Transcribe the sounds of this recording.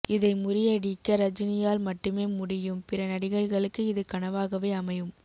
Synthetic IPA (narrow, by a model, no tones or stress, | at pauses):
ɪðɐɪmʊɾɪjɐɽɪkːɐɾɐd͡ʒɪnɪjaːlmɐʈːɯmeːmʊɽɪjɯmpɪrɐnɐɽɪɣɐɭɣɐɭɯkːɯɪðɯkɐɳɐʋaːɣɐʋeːɐmɐjɯm